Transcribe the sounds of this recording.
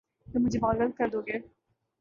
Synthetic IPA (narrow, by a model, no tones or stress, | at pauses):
t̪emʊd͡ʒʱebɔːlɡəlt̪̚kəɾd̪oːɡeː